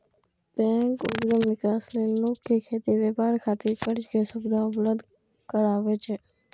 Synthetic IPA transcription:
bɛ̃ːŋkʊ̰dɡəmnɪkaːsneːnoːkʰːikʰeːt̪iʋeːpaːɾkʰaːt̪ɪɾkəɾd͡ʒkesʊbd̪ʱãʊbləd̪ | kəɾaːʋeːt͡ʃʰeː

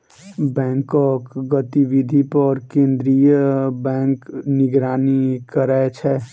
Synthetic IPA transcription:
bɛ̃ːŋkɔkɡət̪iʋid̪ʱipɔɾkẽːnd̪ɾijəbɛ̃ːŋknɪɡɾaːnikəɾaet͡ʃʰɛ

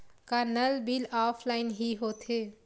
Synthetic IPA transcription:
kaɾnəlbilaːpʰlaːɪnɦiɦoːt̪ʰe

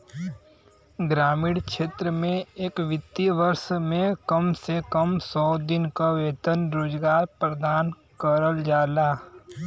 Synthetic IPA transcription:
ɡɾaːmiːɽkʃeːt̪ɾəmẽeːkʋɪt̪ːiʋəɾʃmẽkəmsekəmsɔːd̪ɪnkaʋeːt̪ənɾoːd͡ʒɡaːɾpɾəd̪aːn | kəɾəld͡ʒaːlaː

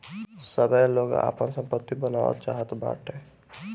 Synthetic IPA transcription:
səbʱəloːɡa̰ːpənsə̃mpət̪ːibənaːʋə̰t̪t͡ʃaːɦət̪ba̰ːʈɦɛ̃ː

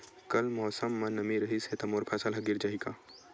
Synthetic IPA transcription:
kɐlmɔːsəmːɐ̃nːɐmiɾɐɦiset̪ɐmoːɾpʰaːsəlɦɐɡɪɾd͡ʒaːɦikaː

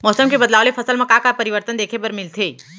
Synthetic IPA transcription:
mɔːsəmkebɐd̪laːʋlefʰɐsəlmẽkakapɐɾiʋəɾt̪ənd̪eːkʰepɐɾmɪlt̪ʰeː

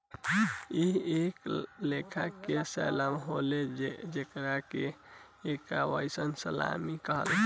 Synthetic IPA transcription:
ieklekʰakesɛ̰jlamɦoled͡ʒekɾakeː | kaʋəjsənsəla̰mikəɦə̰l

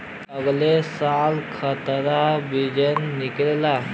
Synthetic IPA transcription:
əɡlesalkʰət̪ɾabid͡ʒənːiklela

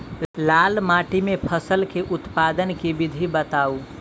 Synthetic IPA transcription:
lalmaʈimepʰəsəlkeʔʊt̪pad̪ənkibid̪ʱibət̪au

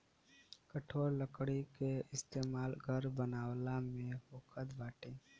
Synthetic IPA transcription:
kəʈʰoːɾləkɽikeɪst̪eːmaːlɡʱəɾbənaːwlamẽhoːkʰəd̪baːʈẽː

